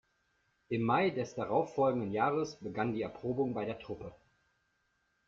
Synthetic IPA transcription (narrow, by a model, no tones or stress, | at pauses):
ʔɪmːaɪdɛsd̥aʁaʊfːɔlɡŋ̩dənjaːʁəsb̥əɡandiːɛɐpʁ̥oːbʊŋbaɪɾeːɐtʁ̥ʊpə